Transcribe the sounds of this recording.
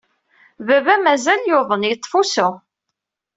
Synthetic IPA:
vævæmæzæljoðˤənjt̪ˤːfusʊ

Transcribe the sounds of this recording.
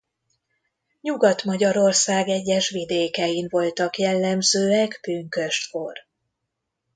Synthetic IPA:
ɲuɡɒt̪mɒɟɒɾo̞rsaːɡɛɟːɛʃʋid̪eːkɛjiɱvo̞lt̪ɒkjɛlːɛmzøːɛkb̥yːŋkø̞ʃt̪fo̞r

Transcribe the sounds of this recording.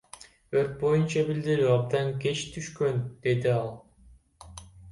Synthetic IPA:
øɾt̪̚bo̞junt͡ʃɑbild̪iɾyɑb̚d̪ɑŋke̞t͡ʃt̪ʰyʃkø̞nd̪̥e̞d̪iɑlˠ

